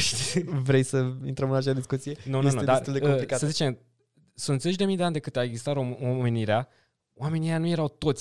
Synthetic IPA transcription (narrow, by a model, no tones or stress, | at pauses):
vɾejsəint̪ɾəmɨnat͡ʃead̪iskut̪sijenunonud̪at̪uld̪ekomplikaəzit͡ʃe̞m | sunt̪ze̞t͡ʃd̪e̞mijd̪e̞and̪ekɨt̪aeɡzist̪aɾoomeniɾea | oame̞nijejanuje̞ɾawt̪o̞t̪sʲ